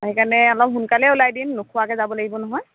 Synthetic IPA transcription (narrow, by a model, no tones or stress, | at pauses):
aɦikanɛɔlɔp̚ɦunkalɛulajdinːʊkʰʊwakɛzabɔlaɡibɔnɔɦɔj